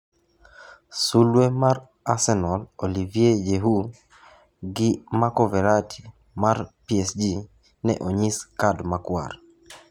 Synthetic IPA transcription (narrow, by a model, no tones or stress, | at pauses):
sulwemar | asɛnɔlolivijejeɦu | ɡɪmakɔvɛɾatʰi̥ | marpiɛsd͡ʒi | nɛ̰ʔoɲiskadmakwa̰ɾ